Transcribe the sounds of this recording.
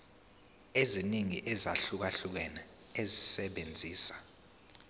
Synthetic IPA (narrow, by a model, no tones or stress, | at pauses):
eziniŋiʔɛzaɬuk̬aɬuk̬ɛna | ezisɛɓend͡zʱiːsḁ